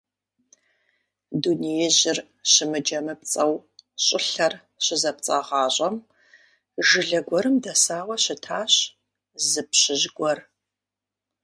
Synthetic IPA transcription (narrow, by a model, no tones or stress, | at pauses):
dunijɛʑɪr | ɕɪmɨd͡ʒɐmɨp̚t͡sʼɐwɕʼɪɬɐr | ɕɪzɐp̚t͡sʼaːʁɑːɕʼɐm | ʒɨɮɐɡʷɔɾɨmdɐsaːwɐɕɪtʰaːɕ | zɨpɕɪʑɡʷɔr